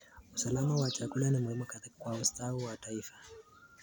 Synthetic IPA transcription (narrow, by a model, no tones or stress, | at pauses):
usalamawat͡ʃakulanimuhimɔkkwaustauwataifḁ